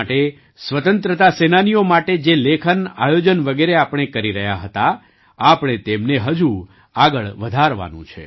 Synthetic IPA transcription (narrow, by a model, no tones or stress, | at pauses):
ʈe | sʋət̪ənt̪ɾət̪asenanijomaʈed͡ʒelekʰəna̰jod͡ʒənʋəɡeɾeapɳ̃ekəɾiɾəɦjaɦət̪a | apəɳ̃et̪emneɦəd͡ʒu | aɡəɭʋəd̪ʱaɾʋa̰nṵ̃t͡ʃʰḛ